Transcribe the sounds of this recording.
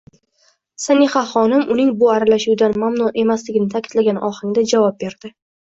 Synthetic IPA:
saniχaχɒnɪmʔʊnɪŋbʊaɾalaʃuwd̪anmamnuʔe̞maslɪɡʲɪnɪt̪ʰakʲʰɪd̪laɡʲanʔɒχɪŋd̪ad͡ʒavɒp̚be̞ɾd̪̥ɪ

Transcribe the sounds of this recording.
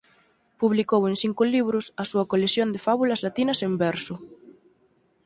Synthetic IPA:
puβlikoweŋsiŋkʊliβɾʊsɐsuɐkolesjond̪efaβulɐzlat̪inɐsembɛɾsʊ

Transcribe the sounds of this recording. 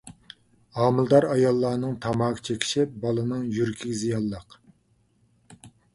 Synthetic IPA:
ɑːmɨlˠd̪ɑɾɑjɑlˠːɑːnɨŋt̪ʰɑmɑːqʰə̥t͡ʃʰekʲʰi̥ʃɪp̚bɑlˠɨnɨŋjyɾkʲʰiɡʲizijɑlˠːəq

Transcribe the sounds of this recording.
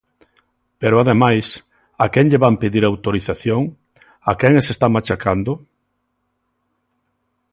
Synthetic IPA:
peɾʊaðemajs | akɛŋʎeβampeðiɾawt̪oɾiθaθjoŋ | akɛŋesest̪amat͡ʃakʰand̪ʊ

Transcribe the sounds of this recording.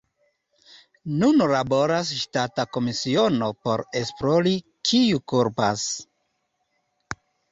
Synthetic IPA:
nunlabo̞ɾasʃtatako̞misio̞no̞po̞̰ɾe̞spɾoli | kʰiukuɾpa̰s

